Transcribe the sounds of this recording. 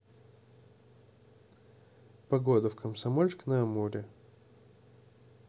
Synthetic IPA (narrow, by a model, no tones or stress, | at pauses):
pɐɡod̪əfkʰəmsɐmolʲsknɐɐmuɾʲɪ